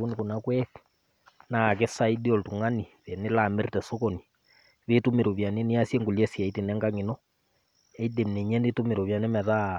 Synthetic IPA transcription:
u˦ni˨ko˨nakwɛ | na˨k̬e˦sa˦idi˦ɔltu˨ŋa˦ni˨βɛne˦lame˦rtɛso˦kɔni | βetumeɾo˨βja˨neni˦a˦sje˦ŋɡu˨ljɛ˦sia˨i˦te˨nɛ˦ŋɡa˦ŋi˨nɔ | ɛ˦i˦de˨mne˨ɲɛ˦ne˦tume˨ɾo˨βja˨ne˦mɛ˨ða

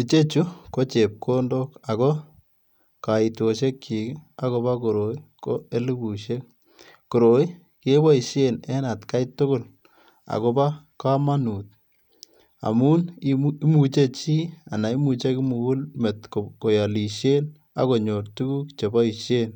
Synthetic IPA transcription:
i˨t͡ʃe˦t͡ʃu˦ko˦t͡ʃe˨p̚kʰo˦ndo˦ka˨kɔ˦ | ka˨i˨to˨ʃ̬e˦kt͡ʃi˨ka˦ko˧ba˦ko˨ɾo˨i˦ko˦e˦li˦ɡu˨ʃe˦k̚ | ko˨ɾo˨i˦ | ke˦ba˦i˨ʃje˦nɛ˦na˨tka˦itʊ˦ko˦l | a̰˨ko˦ba˦ka˦ma˦nuː˨t̚ | a̰˨mu˦ni˦mu˨t͡ʃe˦t͡ʃiː˦a˨na˨i˦mu˨t͡ʃe˦kɪ˦mu˨u˦lme˨tkko˨ja˨li˨ʃje˦n | a̰˨ko˨ɲo˨rtu˦ɡu˦kt͡ʃe˨ba˦i˨ʃje˦n

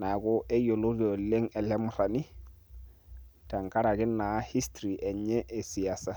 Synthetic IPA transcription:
na˨ɡo˦ʔɛ˦jo˨lo˦ɾo˨le˦ŋɛ˨lɛ˦mʊ˦ɾa˨ni˦ | ta˨ŋka˦ɾa˨ɡɪ˦nːa˨˦hi˦stɾi˨ʔɛ˨ɲɛ˦ʔe˨si˨ja˨sa˦

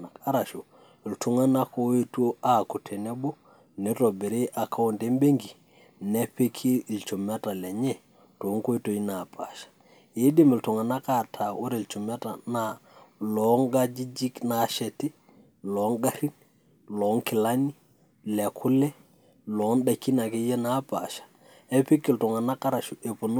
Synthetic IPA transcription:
a˨ka˦ɾa˨ʃo˨ | i˨ltu˨ŋa˦na˦ko˦e˦to˦a˨ku˨tʰɛ˨nɛ˦bo˦ | ni˦ɾo˨be˨ɾe˦ʔa˨kʰa˦wo˨nde˦mbe˦ŋɡi˨ | nɛ˦pe˦kʰi˦˨lt͡ʃo˨mɛ˦ta˨lɛ˨ɲɛ˦˨ | to˨˦ŋko˦e˦to˨i˦na˨pʰa˨ʃḁ˨ | je˦di˦mɪ˨ltu˨ŋa˨na˦ka˨tʰa˨ʔu˦ɾe˨lt͡ʃu˨mɛ˦ta˨na˨lɔ˨˦ŋɡa˦d͡ʒi˦d͡ʒi˦kna˨˦ʃɛ˨ti˦ | lɔ˨˦ŋɡa˦ɾi˦n | lɔ˨˦ŋkɪ˨la˦ni˦ | lɛ˨kʰʊ˦lɛ˦ | lɔ˨˦nɗa˨kːi˦na˨ke˦jɛ˦na˨˦pa˨ʃḁ˨ | ɛ˦pe˦ki˨ltɔ˨ŋa˨na˦ka˦ɾa˨ʃu˨ʔe˨po˨n˦

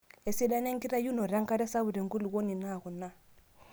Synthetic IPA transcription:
ɛ˨si˦da˦nɛ˦ŋɡi˦ɾa˦ju˦nɔ˨ɾa˦ŋ˦ka˦ɾɛ˦sa˦βu˨ɾɛ˨ŋɡu˦lu˨wɔ˦ni˨na˦˨ɣɔ˨na˦

